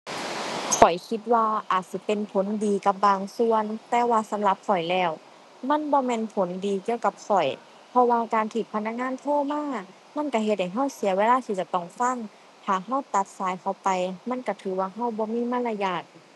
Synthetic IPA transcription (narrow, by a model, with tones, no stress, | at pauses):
kɔ˨˩jkʰi˧t̪̚waː˧ʔaː˨˩t̪̚si˧˦pe˧˨npʰo˨˦ndiː˨˧ka˧˦p̚baː˧ŋsu˧ənt̪ɛː˧waː˧sa˨˦mla˧˦p̚fɔ˨˩jlɛː˧˩w | ma˧˥˨nbɔː˧˦mɛː˧˨npʰo˨˦ndiː˨˧ki˧əwka˧˦p̚sɔ˨˩j | pʰɔ˧waː˧kaː˨nt̪ʰiː˧˩t̪̚pʰna˧˥k̚ŋaː˧˥˨nt̪ʰoː˧˥˨maː˧˥˨ | ma˧˥˨nka˧˩ɦe˧t̪̚ha˨˩jɦa˧˥˩wsi˨˦weː˧˥laː˧˥˨t̪ʰiː˧t͡ɕa˧t̪ɔ˧˩ŋfa˧˥˨ŋ | t̪ʰaː˨˩ɦa˧˥˩wt̪a˧˦t̪̚saː˨˦jkʰa˧˩wpa˨jma˧˥˨nka˧˩t̪ʰɯː˨˦waː˧ɦa˧˥˩wbɔː˧˦miː˧˥˨ma˧˥˨la˧jaː˧˩k̚